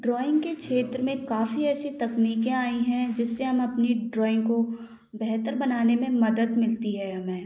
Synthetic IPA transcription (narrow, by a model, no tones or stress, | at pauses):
ɖɾɔːɪ̃ŋɡkekʃʰeːt̪ɾəmẽkaːfiɛːsit̪ɐkniːkẽaːĩɦɛ̃d͡ʒɪsːeɦɐmɐpniɖɾɔːɪ̃ŋɡko | bɛɦt̪əɾbɐnaːnemẽmɐd̪əd̪mɪlt̪iɦɛɐmẽː